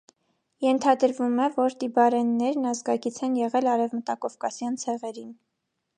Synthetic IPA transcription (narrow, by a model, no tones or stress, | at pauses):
jɛnt̪ʰɑd̪əɾvumɛvɔɾt̪ibɑɾɛnːɛɾnɑzɡɑkit͡sʰɛnjɛʁɛlɑɾɛvmət̪ɑkɔvkɑsjɑnt͡sʰɛʁɛɾin